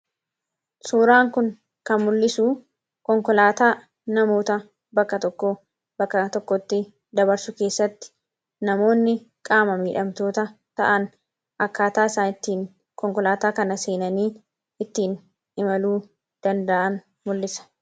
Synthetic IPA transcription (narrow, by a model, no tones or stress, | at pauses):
suːɾaːŋkʊŋ | kɐnmʊlːɪsuː | kɔŋkɔlaːt̪aː | nɐmo̞ːt̪ɐ | bɐkːɐt̪ɔkːo | bɐkːɐt̪ɔkːɔt̪ːɪ | d̪ɐbɐɾsʊke̞ːsːɐt̪ːɪ̥ | nɐmo̞ːnːɪ | kʼaːmɐmiːᶑɐmt̪o̞ːt̪ɐt̪ɐ̰ʔɐn | ʔɐkːaːt̪aːɪsaːnɪt̪ːiːŋ | kɔŋkɔlaːt̪aːkɐnɐseːnɐniː | ɪt̪ːiːn | ɪmɐluː | d̪̥ɐnd̪ɐʔɐn | mʊlːɪsɐ̥